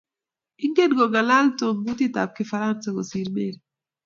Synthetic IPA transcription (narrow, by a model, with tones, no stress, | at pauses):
ɪ˦ŋɡe˦dɡɔ˨ɡa˨la˦lto˨ŋbu˦ti˦ta̰˨p̚kɪ˦fa˦ɾa˦nsa˨ko˨si˨ɾme˦ɾi